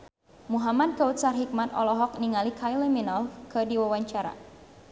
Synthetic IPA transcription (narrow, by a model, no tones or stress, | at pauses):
muɦamad̚kaut̪sarɦik̚mat̪ɔ̰lɔɦɔk̚niŋalikʰailɛminalkɨdiwawaɲt͡ʃaɾa̰